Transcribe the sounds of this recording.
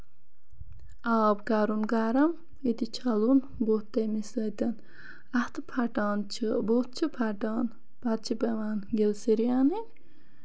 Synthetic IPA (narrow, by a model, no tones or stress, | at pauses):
aːbkaɾunɡaːɾɐm | it̪it͡ʃʰɐlun | ɡot̪ːɐmisət̪ɐn | ɐht̪ɨpʰaʈaːnt͡ʃʰɨbot̪̚t͡ʃʰipʰaʈaːn | pat̪̚t͡ʃʰipɐʋaːnɡelsiɾijaːni